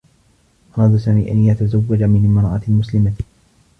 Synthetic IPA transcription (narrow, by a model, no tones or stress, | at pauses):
ʔɑɾˤɑːd̪asaːmiːʔanjat̪azawːad͡ʒamɪnmɑɾˤɑʕɑ̰t̪mʊslɪma